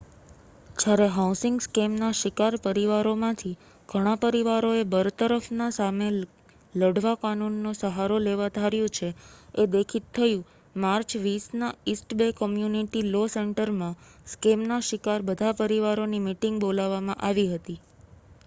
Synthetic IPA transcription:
d͡ʒjaɾeɦawsɪŋɡskemnaʃɪkaɾpəɾiʋaɾomãt̪ʰi | ɡ̥ʱəɽ̃apəɾiʋaɾoebəɾt̪əɾəfnasame | ləɖʋakanunːosəɦaɾoleʋad̪ʱaɾjõt͡ʃʰeed̪ekʰit̪ʰːəjũ | maɾt͡ʃʋisnaisʈbekəmjuniʈiloseɳʈəɾmãskemnaʃɪkaɾbəd̪ʱapəɾiʋaɾonimiʈɪŋɡbolaʋːamãʔaʋiɦət̪i

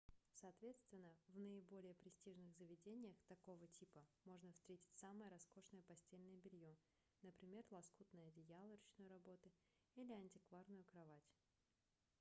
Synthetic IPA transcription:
sɐːt̪vʲe̞t̪st̪vʲɪnːəvnəɪbo̞lʲɪjəpɾʲɪsʲtʲiʐnɨɣzəvʲɪdʲenʲɪjəxt̪ɐko̞vətʲʰipəmo̞ʐnəfst̪ɾʲetʲɪ̥tʲsaməjəɾɐsko̞ʂnəjəpɐsʲtʲelʲnəjəbʲɪlʲjo | nəpɾʲɪmʲe̞rlˠɐskut̪nəjədʲɪjalˠəɾət͡ɕnojɾɐbo̞t̪ɨ | ilʲɪɐnʲtʲɪkvarnʊjʊkɾɐvatʲ

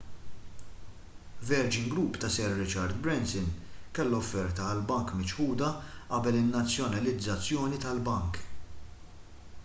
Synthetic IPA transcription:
vɛɾd͡ʒɪŋɡɾupːt̪ɐsɛɾːɪt͡ʃɐɾd̪bɾɛnsɪnkɛlːɔfːɛɾt̪ɐːlbɐŋkmɪt͡ʃħuːd̪ɐʔɐbɛlɪnːɐt͡sːjɔnɐlɪd͡zːɐt͡sːjɔːnit̪ɐlbɐŋk

